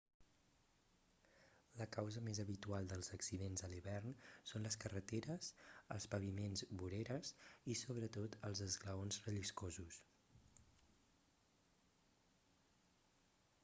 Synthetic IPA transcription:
ləkawzəmezəβit̪ualˠd̪əlˠzəksiðenzəliβɛrnsonləskərət̪eɾəsəlˠspəβimenzβuɾeɾəzisoβɾət̪ot̪əlˠzəzɣləonzrəʎiskozus

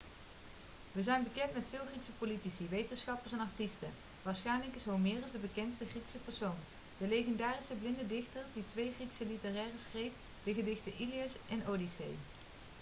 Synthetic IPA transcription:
ʋəzɛjnbəkɛntmɛtfɪːlˠχriksəpolitisiʋejtənsχɑpəɹsɛnɑɹtistən | ʋaːɹsχɛjnləkɪsɦowmɪːrəzdəbəkɛnstəχriksəpɛɹsown | d̥əleχɛndaːrisəblɪndədɪxtəɹditʋejχriksəlitərɛːrəsxrejf | d̥əɣədɪxtəʔiliəsɛnowdisḛj

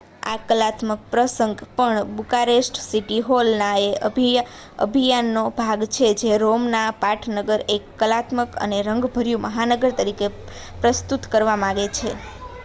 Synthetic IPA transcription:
a̰kəlat̪mək̚pɾəsəŋɡpəɳbukaɾesʈsiʈiɦolnaeʔə | ə̰bʱijanːobʱaɡt͡ʃʰed͡ʒeɾomnapaʈʰnəɡəɾekːəlat̪məkə̰neɾəŋɡbʱəɾjũməɦanəɡəɾt̪əɾike | pɾəst̪ut̪kəɾʋamãɡet͡ʃʰe

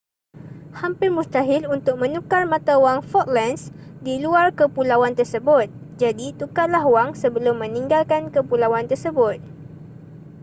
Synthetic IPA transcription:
hampɪrmũst̪aɦɪlunt̪ʊk̚mə̃nũkarmãt̪awaŋfɔt̪̚lɛnsdiluarkəpulawant̪ərsəbʊt̪̚ | d͡ʒadit̪ukat̪̚laɦwaŋsəbəlʊmːə̃nĩŋɡalkankəpulawant̪ərsəbʊt̪̚

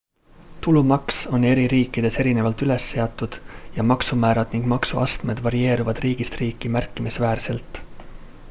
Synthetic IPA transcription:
t̪ulumɑkso̞ne̞ɾiɾiːkːˑid̪̥e̞se̞ɾine̞vɑlt̪yle̞sːe̞ɑt̪ːˑud̪̥jɑmɑksumæːɾɑd̪̥niŋɡ̥mɑksuɑ̰st̪me̞d̪vɑɾie̞ːɾuvɑd̪riːɡist̪riːkːˑimærkːˑimisvæːrse̞lt̪ˑ

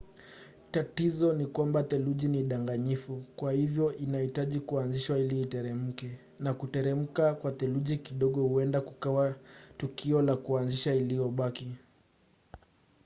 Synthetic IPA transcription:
tatizɔnikwambat̪ɛluʄiniɗaŋɡaɲifukwahivjɔʔinaitaʄikuanziʃwailiːtɛɾɛm̩kɛ | nakutɛɾɛm̩kakwat̪ɛluʄikiɗɔɠɔhuɛndakukawatukʰiɔlakuanziʃailijɔɓaki

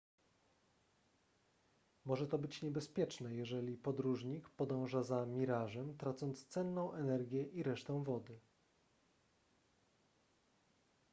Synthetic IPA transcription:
mɔʐɛt̪ɔbɘt͡ɕɲɛbɛspʲjɛt͡ʂnɛjɛʐɛlʲipɔd̪ɾuʐɲikpɔd̪ɔ̃w̃ʐazamʲiɾaʐɛmt̪ɾat̪sɔnt̪st̪sɛnːɔ̃w̃ʔɛnɛɾɡʲjɛʔiɾɛʂt̪ɔ̃w̃vɔd̪ɘ

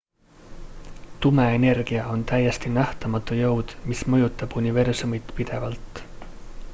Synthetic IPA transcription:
t̪ume̞ene̞rɡ̥iɑo̞nt̪æjːest̪inæht̪ɑmɑt̪ːˑujɤwd̪̥mismɤjut̪ːˑɑb̥unive̞rsumit̪pid̪̥e̞vɑlt̪ˑ

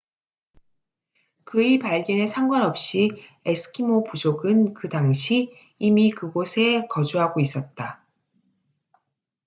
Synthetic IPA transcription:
kɯipaɭɡjʌne̞sʰaŋɡwanʌp̚ɕ͈iesʰɯ̥kʰimopud͡ʑoɡɯnkɯdaŋɕʰiː | mikɯɡosʰe̞kʌd͡ʑuɦaɡois͈ʌt̚t͈a

